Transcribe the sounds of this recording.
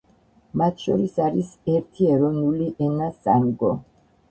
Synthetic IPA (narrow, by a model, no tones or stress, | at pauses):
mat̪ʰʃɔɾisaɾisɛɾt̪ʰiɛɾɔnuliʔɛnasa̰mɡɔ